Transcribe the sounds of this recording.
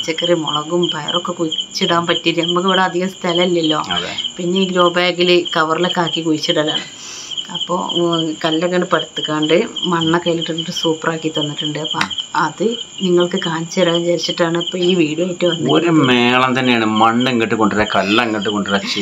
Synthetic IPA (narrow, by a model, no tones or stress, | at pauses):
t͡ɕːɐkːɐrimo̰ɭɐɣumbʱɐjɐ̰rokːekuɻit͡ɕːiɽaːmpɐtːijɐɾnɐmuk̬ːiʋiɽeɐd̪ʱiɣɐmst̪ʰɐlɐilːɐlːo̞̰ːɐðḛpinːe̞iɾoːbɐjeŋɡilɨkɐʋɐrilekːaːkːikuɻit͡ɕːiɽɐːlːa̰ːɳɨ | ɐpːo̰ːkɐlːeŋɡɐɳɖɨpɐɽut̪ːukːaːɳɖɨmɐɳːɐkɐjːiliʈːɨnːɨʈːɨsuːpːɐraːkːit̪ɐnːiʈːɨɳɖɨɐpːɐɐðɨniŋːɐɭkːɨkaːnt͡ɕːɐɾaːɐmt͡ɕeːɾt͡ɕːiʈːaːɳɨipːoːiːʋiːɽuɐːjʈːɨʋɐnːɐoɾumeːɭɐmt̪ɐnːejaːɳɨmɐɳːeŋːiʈːɨkoɳɖiɾɐkɐlːɐŋːiʈːɨkoɳɖɨrɐt͡ɕːɨ